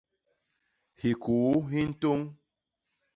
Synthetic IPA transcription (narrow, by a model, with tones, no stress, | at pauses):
hi˨kʰu˨˦ɦi˦n̩˦to˦ŋ